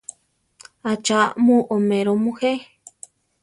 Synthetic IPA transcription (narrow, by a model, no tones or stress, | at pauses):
at͡ʃamũʔomeɾomũhe